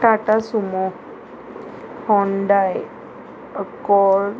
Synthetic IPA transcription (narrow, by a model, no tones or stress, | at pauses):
ʈaʈasumɔ | hɔɳɖaj | əkɔɾ